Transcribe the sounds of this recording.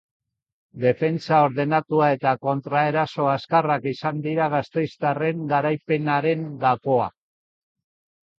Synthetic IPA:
d̪e̞fe̞nt͡sao̞ɾðe̞nat̪uae̞t̪ako̞nt̪ɾae̞ɾaso̞askarakisand̪iɾaɣ̞ast̪e̞jst̪are̞ŋɡaɾajpe̞naɾe̞ŋɡako̞a̰

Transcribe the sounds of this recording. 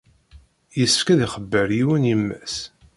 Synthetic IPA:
jəsəfkæðiχəbːəɾjiwənjəmːæ̰s

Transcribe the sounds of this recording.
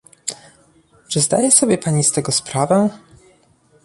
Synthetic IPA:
t͡ʂɘzd̪a̰jɛsɔbʲjɛpaɲist̪ɛɡɔspɾavɛ

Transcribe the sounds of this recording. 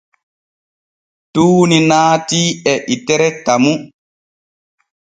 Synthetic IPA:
tuːninaːtiɛʔitɛɾɛtamu

